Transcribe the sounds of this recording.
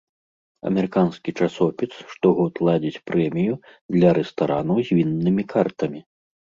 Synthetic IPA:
ɐ̰mʲɛɾɨkanskʲit͡ʂasɔpʲisʂt̪ɔɣɔt̪lˠad͡zʲit͡sʲpɾɛmʲijud̪lʲɐɾɛst̪aɾanɐwzʲvʲinːɨmʲikʰart̪ɐmʲi

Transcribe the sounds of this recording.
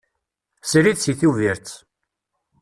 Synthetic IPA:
sɾiðsiθuviɾt͡sː

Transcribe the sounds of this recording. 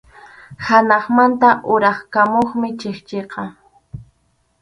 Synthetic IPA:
hanɑχmant̪aʔʊɾɑχkamoχmɪt͡ʃeχt͡ʃeqɑ

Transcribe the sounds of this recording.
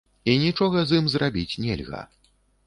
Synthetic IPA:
inʲit͡ʂɔɣɐzimzrabʲit͡sʲnʲɛ̰lʲɣɐ̰

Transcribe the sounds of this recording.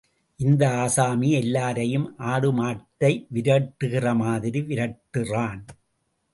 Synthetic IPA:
ʔɪnd̪ɐaːsaːmiɛlːaːɾɐjɯmʔaːɽɯmaːʈːɐɪʋɪɾɐʈːɯɣɪrɐmaːðɪɾiʋɪɾɐʈːɯraːn

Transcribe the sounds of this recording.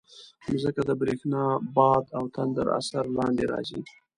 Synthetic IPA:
nozəkad̪əbɾexnɑbɑd̪awt̪ʰand̪əɾa̰saɾlɑnd̪eɾɑ̰zi

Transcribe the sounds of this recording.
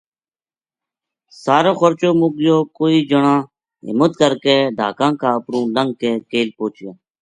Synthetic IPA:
saːɾõːxəɾt͡ʃoːmoːɡɪjoːkoːiːd͡ʒəɳãː | ɦɪ̰mət̪kəɾkeːɖʱa̰ːkãːkaːəpɾũːləŋɡ̚keːkeːlpoːt͡ʃjãː

